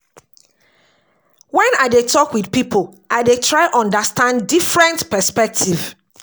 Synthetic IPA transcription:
wɛ̃nadetʰɔkwidpipʰoʔaɪdetʰɹaɪʔɔ̃ndəstãnddifɹɛ̃ntpɛspɛk̚tʰiv̥

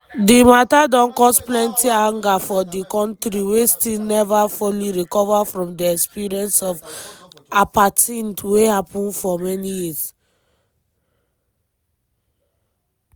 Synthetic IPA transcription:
dimatadɔ̃nkɔsplɛ̃ntiãŋɡafɔdikɔ̃ntɾiwestilnɛvafuliɹikɔvafɹɔ̃mdiɛkspiɹiɛ̃nsɔv | apatɛ̃ntwehapũnfɔmɛnijis

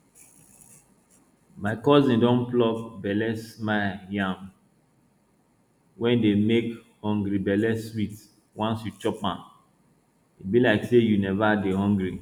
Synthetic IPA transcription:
maɪkɔzĩndɔ̃nplɔvbɛlɛsmajãm | wɛ̃ndemek | hɔ̃ŋɡɾibɛlɛswit | wãnsjut͡ʃɔpãm | itbilaɪksejunɛvaɡeɦɔ̃ŋɡɾi

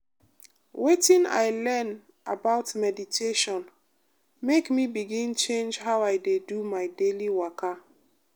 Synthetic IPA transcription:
wetĩna̰ɪlɛn | a̰baʊtmɛditʰeʃɔ̃n | mekmibiɡĩnt͡ʃẽnd͡ʒɦaʊajdedumaɪdeliwaka

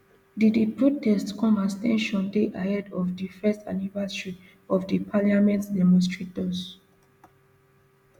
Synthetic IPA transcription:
diddəpɹotɛstkɔ̃mastɛ̰̃nʃɔ̃ndeʔahɛdɔvdifɛstʰa̰nivɛsɹi | ɔfdipʰaliamɛ̃ntdɛmɔ̃nstɹetɔs

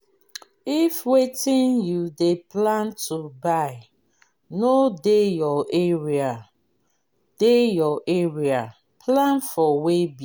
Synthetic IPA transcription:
ifwetĩnjudeplantʰubaɪ | nodejɔʔeɹia | d̥ejɔʔeɹia | pʰlãnfɔwebi

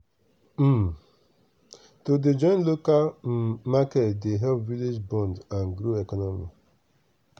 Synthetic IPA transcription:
toded͡ʒɔ̃ɪ̃nlokalmakɛtdeɦɛlpvilid͡ʒbɔ̃ndãnɡɾoɛkɔnɔmḭ

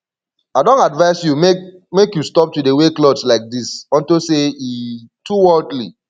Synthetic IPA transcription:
aɪdɔ̃ntadvaɪsjumemekjustɔp̚tudeweklɔdslaɪk̚disɔ̃ntoseituwɜldli

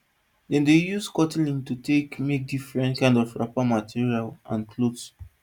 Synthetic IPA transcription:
dɛ̃ndejuskɔtilĩŋtutekmek̚difɹɛ̃ntkãɪ̃ndɔfɹa̰pamatʰiɹialã̰nkʰlods

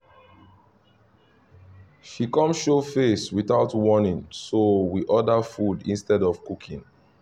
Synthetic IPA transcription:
ʃikɔ̃mʃofeswiθaʊtwɔnĩŋsowiʔɔdafudḭ̃nstɛdɔv̥kukʰĩŋ

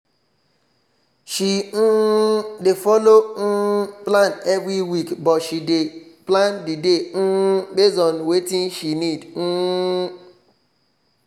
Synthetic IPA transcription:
ʃin̩defɔlon̩planɛvɾiwikbɔtʃideplandiden̩ɡ͡bezɔnwetĩnʃinidn̩

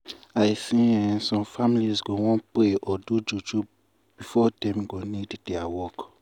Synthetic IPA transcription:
aɪsĩɛ̃nsɔ̃mfamilizɡowɔ̃npɾeʔɔdud͡ʒud͡ʒu | b̥ifɔdɛ̃mɡonidd̥ɛawɔk

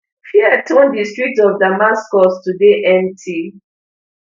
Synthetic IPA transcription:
fiɛtʰõndistɹik̚tɔvdamaskɔstudeʔɛ̃ntʰi

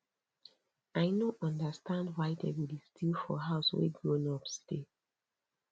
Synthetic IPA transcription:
ajnoɔ̃ndəstʰãndwaɪdewilistʰilfɔ̰ɦaʊswḛɡɹõnɔpste

